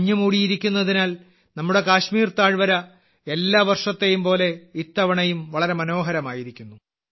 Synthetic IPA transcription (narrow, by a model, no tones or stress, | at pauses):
ɲːɐmuːɽijiɾikʲːunːɐðinaːl | nɐmːuɽe̞kaːɕmiːrt̪aːɻʋɐɾɐ | elːaːʋɐrʂɐt̪ːejumpo̞ːle̞it̪ːɐʋɐɳɐjumʋɐɭɐɾe̞mɐno̞ːɦɐɾɐmaːjiɾikʲːunːu